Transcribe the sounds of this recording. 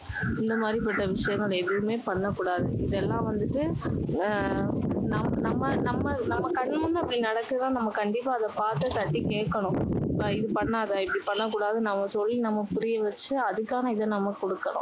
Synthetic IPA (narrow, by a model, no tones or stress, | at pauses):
ɪnd̪ɐmaːd̪ɾipɐʈːɐʋɪʂɐjɐŋɡɐɭɛðɯʋɯmeːpɐɳːɐkːuːɽaːðɯɪðɛlːãːʋɐnd̪ɯʈːɯ | nɐmnɐmːɐnɐmːɐnɐmːɐkɐɳmʊnːɐpːɐɽinɐɽɐkːɯt̪ãːnɐmːɐkɐɳɖɪpːaːɐðɐpaːɾt̪ɯt̪ɐʈːikeːkːɐɳʊ̃ɪðɯpɐɳːaːɐðɐɪpːɐɽipɐɳːɐkːuːɽaːðɯnɐmːɐsɔlːinɐmːɐpʊɾɪjɐʋɐt͡ʃːɯɐðɯkːaːnɐɪðɛnɐmːɐkɔɽɯkːɐɳʊ̰̃